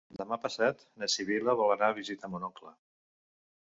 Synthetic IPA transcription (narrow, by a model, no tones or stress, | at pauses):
d̪əmapəsat̪ | nəsiβiləβɔlənaβizit̪əmunɔklə